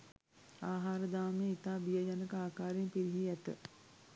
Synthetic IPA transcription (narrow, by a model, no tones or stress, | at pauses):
aːɦaːɾəd̪aːmejit̪aːbijəjanəkəaːkaːɾempiɾiɦiæt̪ə̰